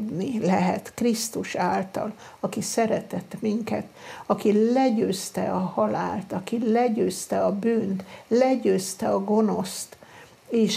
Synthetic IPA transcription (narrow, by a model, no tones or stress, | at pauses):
d̪nilɛɦɛt̪krist̪uʃaːlt̪ɒ̰l | ɒkisɛɾɛt̪ɛt̪ːmiŋkɛ̰t̪ɒkilɛɟøːst̪ɛ̰ɒhɒla̰ːlt̪ɒkilɛɟøːst̪ɛɒbyːnt̪lɛɟøːst̪ɛɒɡo̞no̞st̪ | eːʃ